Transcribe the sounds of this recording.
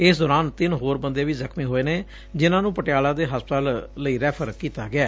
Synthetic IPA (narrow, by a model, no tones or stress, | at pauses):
ɪsd̪ɔːɾaːnt̪ɪnɦoːɾbənd̪eːʋiːzəkʰmiːɦoːeːneː | d͡ʒɪnãːnũːpəʈɪjaːlãːd̪eːɦəspt̪aːlːəiːɾɛːpʰəɾkiːt̪aːɡɪaː